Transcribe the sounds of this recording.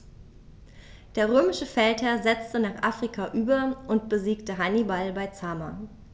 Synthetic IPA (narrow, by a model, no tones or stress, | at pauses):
d̥eːɐʁ̞øːmɪʃəfɛlthɛɐzɛt͡stənaːχʔafʁ̥ikʰaʔyːbɐʔʊntb̥əziːktəɦanibalbaɪt͡sama